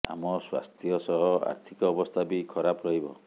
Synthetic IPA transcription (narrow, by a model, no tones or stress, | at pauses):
a̰mɔswa̰st̪ʰjɔsɔɦɔa̰ɾt̪ʰikɔːbɔst̪ʰabikʰɔɾapɾɔɦibɔ̰